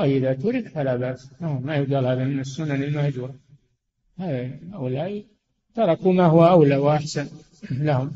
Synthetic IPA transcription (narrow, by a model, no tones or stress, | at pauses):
laːjʔɪðat̪ʊɾɪkfalabaʔsnahmajʊɡ̪aːlhaːðamɪnasːʊnːanɪlmahd͡ʒuːɾˤɑ | haːðaaʔʊlaːʔi | t̪ɑɾˤɑkumahʊwaʔawlawʔaħsan | lahʊm